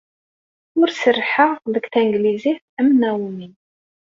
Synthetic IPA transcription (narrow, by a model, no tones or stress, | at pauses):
ʊɾsərːħəʁðəkθæŋɡliziθ | æmnæwnin